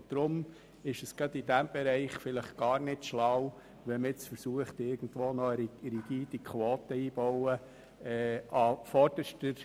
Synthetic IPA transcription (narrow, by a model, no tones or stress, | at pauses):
d̪̥ɾʊm | ɪʃəsɡ̥ɾɑdidæmb̥ɛɾɛɪχfɪləχɡ̥ɑːɾnɪtʃlaw | ʋɛməɪt͡sfəɾsuəχtɪɾɡ̥n̩dʋoːnɔəɾɾiɡ̥iːdikʰʋoːtəiːb̥ɔwə | ɛɑfɔɾd̥əʃtəɾ